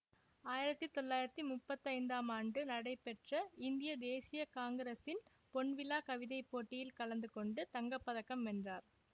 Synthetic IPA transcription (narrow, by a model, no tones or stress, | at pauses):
aːjɪɾɐt̪ːɯt̪ːɔɭːaːjɪɾɐt̪ːimʊpːɐt̪ːɐɪnd̪aːmaːɳɖɯnɐɽɐɪpːɛʈrɐɪnd̪ɪjɐd̪eːsɪjɐkaːŋɡɐɾɐsɪn | pɔɳʋɪlaːkɐʋɪðɐɪpːoːʈːɪjɪlkɐlɐnd̪ɯkɔɳɖɯt̪ɐŋɡɐpːɐðɐkːɐmɛndraːɾ